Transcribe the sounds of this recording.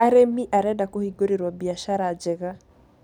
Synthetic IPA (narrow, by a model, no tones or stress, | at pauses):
aɾemiʔaɾɛdakohiɡoɾeɾwabiaʃaɾaːd͡ʒɛɣa